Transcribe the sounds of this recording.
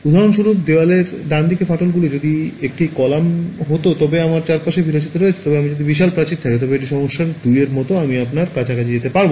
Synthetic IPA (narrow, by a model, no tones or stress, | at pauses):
ud̪ʱaɾonʃuɾup̚d̪ewaleɾd̪and̪ikefaʈolɡulid͡ʑod̪iek̚ʈikɔlamɦot̪ot̪ɔbeamaɾt͡ɕaɾpaʃebʱiɾod͡ʑit̪aɾoet͡ɕʰe̥t̪ɔbeamid͡ʑod̪ibiʃalpɾat͡ɕit̪t̪ʰaket̪ɔbeekʈ̬iʃɔmoʃːaɾd̪ujeɾmɔt̪oamiapnaɾkat͡ɕʰakat͡ɕʰed͡ʑet̪epaɾbo